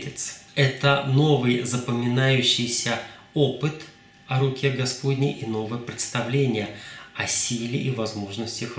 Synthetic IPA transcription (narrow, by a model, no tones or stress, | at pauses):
tʲɪt̪sɛt̪əno̞vɨjzəpəmʲɪnajʉɕːɪjsʲə | o̞pɨt̪ | ɐɾʊkʲeɡɐspo̞d̪ʲnʲɪʔino̞vɨjəpɾʲɪt̪st̪ɐvlʲenʲɪjəɐsʲilʲɪʔivɐzmo̞ʐnəsʲtʲəx